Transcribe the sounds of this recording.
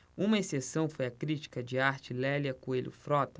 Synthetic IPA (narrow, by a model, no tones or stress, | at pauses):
ũmɐesesɐ̃w̃fojɐkɾit͡ʃi̥kɐd͡ʒɪaɾt͡ʃɪlɛliɐkuelʲjʊ̰fɾɔt̪ɐ